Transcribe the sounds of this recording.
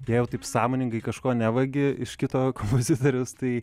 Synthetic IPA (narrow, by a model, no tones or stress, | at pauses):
jɛɪjɛʊt̪ɐɪpsɑːmoːnʲɪŋɡɐɪkɐʃkoːnʲæʋɐɡʲɪɪʃkʲɪt̪oːkompoːzʲɪt̪oːɾʲʊst̪ɐɪ